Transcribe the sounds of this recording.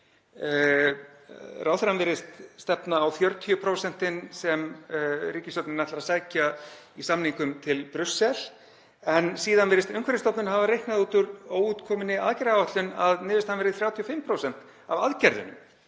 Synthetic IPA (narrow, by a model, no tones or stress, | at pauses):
raːwθɾanvɛːɾɪst̪st̪ɛpnaːwfjœɾt̪ʰiʏpʰɾowsɛn̥t̪ɪnsɛmriːcɪst̪œpnɪnaht̪laɾasajca | isamniŋkʏmt̪ʰɪlpɾʏsːɛl | ɛnsiːðanvɛːɾɪst̪ʏŋkʰvɛɾɪst̪ɔpnʏnhavaɾejhknaðuːt̪ʏɾoːwuːt̪kʰɔːmɪnɪaðcɪɾaaaht̪lʏnaðnɪːðvɪst̪hanvɛɾɪðθɾjaːwt̪ʰiɔfɪmpʰɾoːwsɛn̥t̪ | avaðcɛɾðʏ̰nʏ̰m